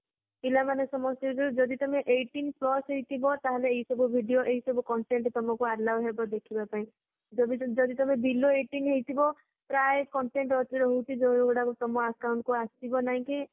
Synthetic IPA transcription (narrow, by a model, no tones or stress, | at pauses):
ilamanesɔmɔsjɔd͡ʒud͡ʒɔd̪it̪ɔmeʔeʈinplɔsɦejt̪ʰibɔt̪aɦeleːɦisɔbʱubʱiɖijoʔeɦisɔbʱukɔɳʈeɳʈt̪ɔmɔkuaɾlabɦebɔd̪ekʰibapaĩ | d͡ʒɔbid͡ʒɔd̪it̪ɔmebiloeʈinɦejt̪ʰibɔ | pɾaekɔɳʈeɳʈɔt̪iɾɔɦowt͡ʃʰid͡ʒõw̃ɡɽakut̪ɔmɔakaw̃ɳʈkuast̪ibɔnaɦĩki